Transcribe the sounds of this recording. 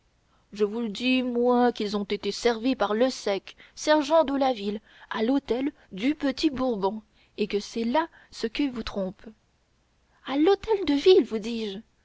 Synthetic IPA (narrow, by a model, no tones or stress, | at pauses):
ʒəvuləd̪imwɛ̃kilzɔ̃t̪et̪esɛʁvipaʁləsɛksɛʁʒɑ̃d̪əlavil | alot̪ɛl | d̪ypət̪ibuʁbɔ̃ | ekəsɛla | səkilvut̪χɔ̃p | alot̪ɛld̪əvilvud̪iʒ